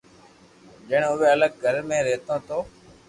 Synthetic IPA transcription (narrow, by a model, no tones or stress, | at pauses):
ʄɪɽʊʋeːələɡ̚ɡʱəɾmẽːɾeːt̪õːt̪ʰoː